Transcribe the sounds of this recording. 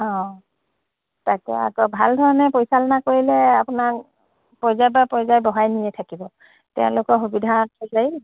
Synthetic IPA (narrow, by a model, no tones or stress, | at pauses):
ɔ̃ | takɛ̰a̰kɔbʱaldʱɔɹɔnɛpojsalnakoɹilɛapʊnak | pɔjzajbapɔɹzajbɔɦajnijɛtʰakibɔ | tɛ̰ʊ̰̃lʊkɔxubidʱatɔzaj